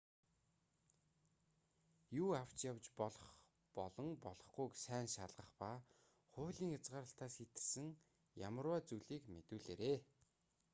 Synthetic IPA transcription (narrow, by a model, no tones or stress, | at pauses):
juːaw̥t͡ɕjawt͡ɕpɔɮɞ̆χ | pɔɮɞ̆ŋpɔɮɞ̆χɡujksæːnʃaɮʁə̆χpa | χʊːɮiːŋat͡sɢaːɾə̆ɬt̪aːsxit̪ɘ̥̆sɘ̆ŋ | ja̰mə̆rwaːt͡sujɮiːkmet̪ŭːɮḛːɾeː